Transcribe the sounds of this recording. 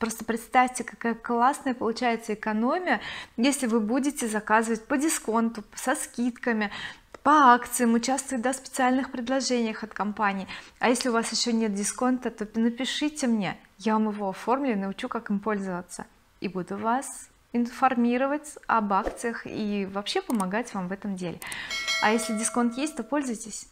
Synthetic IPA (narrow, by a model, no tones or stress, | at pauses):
pɾo̞st̪əpɾʲɪt̪st̪afʲtʲɪkɐkajəklˠasnəjəpəlˠʊt͡ɕæjɪt̪səɪkɐno̞mʲɪjəjesʲlʲɪvɨbudʲɪtʲɪzɐkazɨvət̚ʲpədʲɪsko̞nt̪ʊsɐskʲit̪kəmʲɪpɐakt̪sɨjəmʊt͡ɕast̪vʊɪtd̪afspʲɪ̥t̪sɨalʲnɨxpɾʲɪd̪lˠɐʐɛnʲɪjəxɐt̪kɐmpanʲɪːɐjesʲlʲɪʊvasjɪɕːo̞nʲet̪̚dʲɪsko̞nt̪ət̪o̞nəpʲɪʂɨtʲɪmnʲe̞javamɨvo̞ɐfo̞rmlʲɪnəʊt͡ɕukakɨmpo̞lʲzəvət̪sə̰ | ibud̪ʊvas | ɪnfɐrmʲiɾəvətʲɐbakt̪sɨjəxḭvɐpɕːe̞pəmɐɡatʲvamvɛt̪əmdʲelʲɪɐ̰jesʲlʲɪdʲɪsko̞nt̪jesʲt̚ʲt̪o̞po̞lʲzʊjtʲɪsʲ